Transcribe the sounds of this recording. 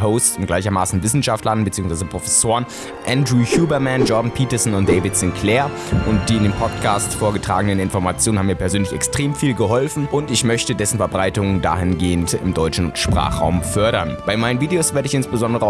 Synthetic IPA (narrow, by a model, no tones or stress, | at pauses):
ɦoʊsʊntɡ̥laɪçɐmaːsn̩vɪsn̩ʃaftlannbət͡siːʊŋsv̥aɪzəpʁ̥ofɛsoːʁən | ʔɛndʁuːçuːbɐmɛnjɔɐdn̩pʰiːtɐzn̩ʊnt̚d̥eɪvɪtz̥ɪnkʰlɛːɐ | ʔʊnt̚d̥iːɪndeːnpʰɔtkʰaːstfoːɐɡətʁ̥a̰ːɡənənɪnfɔɐmat͡sjoːnhamiːɐpʰɛɐzøːnlɪçɛkstʁ̥eːmfiːlɡəɦɔlfn̩ʔʊntɪçmœçtədɛsn̩fɛɐbʁaɪtʊŋda̰ːɦɪnɡeːəntɪ̰mdɔʏt͡ʃn̩ʃpʁ̥a̰ːχʁ̥a̰ʊmfœɐɾɐnb̥aɪmaɪnənviːdeoːsv̥eːɐɾəɪçɪnsb̥əzɔndəʁə